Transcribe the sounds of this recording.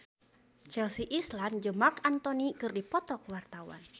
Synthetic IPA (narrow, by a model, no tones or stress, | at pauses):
t͡ʃɛlsiʔisland͡ʒəmakant̪ɔnikɨrdipɔt̪ɔkwart̪awa̰n